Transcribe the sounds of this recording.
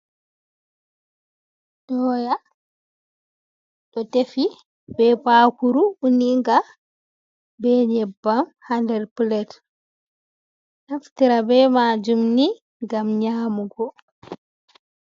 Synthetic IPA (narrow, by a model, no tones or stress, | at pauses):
dɔːja | ɗɔtefi | bɛpakuɾuuniŋɡa | bɛɲɛbːamhandɛɾpulɛt | naftiɾabɛmaːd͡ʒumni | ŋɡamɲaːmuɡɔ